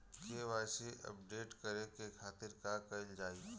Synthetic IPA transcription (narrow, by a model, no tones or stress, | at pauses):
kʰeːʋaːsiʔɐ̰pɖeːʈkəɾẽkekʰaːt̪ɪɾkakɐld͡ʒaːi